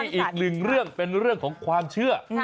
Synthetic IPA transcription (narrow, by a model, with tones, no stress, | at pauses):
ʔiː˨˩k̚nɯ˨˩ŋɾɯ˥˩əŋpe˧nɾɯ˥˩əŋkʰɔː˩˦ŋkʰwaː˧mt͡ɕʰɯ˥˩ɐ